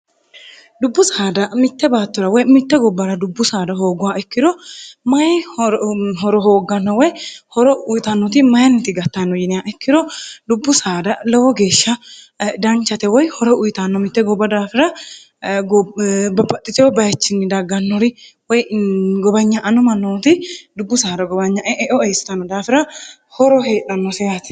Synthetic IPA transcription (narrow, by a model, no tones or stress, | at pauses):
d̪ʊbːʊsaːd̪ɐmɪt̪ːɛbaːt̪ːɔɾɐwɔjmɪt̪ːɛɡɔbːɐɾɐd̪ʊbːʊsaːd̪ɐɦo̞ːɡʊwaɛkːɪd̪ɔmɐj | ɦɔɾɔɦoːɡːɐnːɐwɔjhɔɾɔʊjt̪ɐnːɔt̪ɪmɐjɐnːɪt̪ɪɡɐt̪ːanːɔjɪnɪjaʔɛkːɪd̪ɔd̪ʊbːʊsaːd̪ɐlɛwɔɡe̞ːʃːɐ | d̪ɐnt͡ʃːɐt̪ɛwɔjhɔɾɛʊjɪt̪anːɔmɪt̪ːɛɡɔbːɐd̪aːfɪɾɐ | ɡbɐbɐt̪ʼːɪt̪ɛwɔbɐjɛt͡ʃːɪnːɪd̪ɐɡːɐnːɔɾɪ | wɔjɡɔbɐɲːɐʔːnʊmɐnːoːt̪ɪd̪ʊbːʊsaːd̪ɐɡɔbɐɲːɐʔɛʔɛʔɔɛjsɪ̥t̪ɐnːɔd̪aːfɪɾɐ | hɔɾɔɦe̞ːᶑɐnːɔsɛjat̪ɪ̥